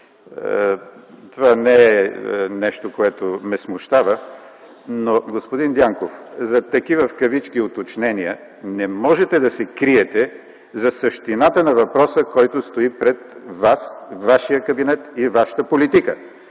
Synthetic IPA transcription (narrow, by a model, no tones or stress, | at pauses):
t̪ovanɛɛnɛʃt̪okoɛt̪omɛsmʊʃt̪avə | noɡospʊd̪ind̪ʲjaŋkofzɐt̪ɐkivəfkɐvit͡ʃk̟iot̪ot͡ʃnɛniə | nɛmɔʒɛt̪ɛd̪ɐsɛkɾiɛt̪ɛ | zɐsəʃt̪inat̪ənɐvɐpɾɔsəkɔjt̪ʊst̪oipɾɛt̪̚vasvaʃijəkɐbinɛt̪ivaʃə̥t̪əpolit̪ikə̰